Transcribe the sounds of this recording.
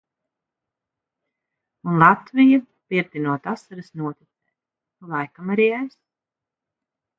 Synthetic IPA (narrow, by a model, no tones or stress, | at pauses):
unlˠat̪vija | piɛɾt̪inuɔt̪asaɾɨsnuɔt̪it̪sɛ̰ː | lˠajkamaɾiːajs